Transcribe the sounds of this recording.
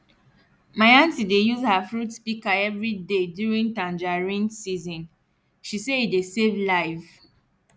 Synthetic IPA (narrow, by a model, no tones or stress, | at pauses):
maɪãntidejuzhafɹutspikaɛvɹidedjuɹĩntãnd͡ʒaɹĩnsizɔ̃n | ʃiseidesevlaɪv